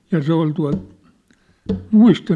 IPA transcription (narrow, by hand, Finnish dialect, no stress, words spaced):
jɑ se ol tuɑ̝lt muistɑ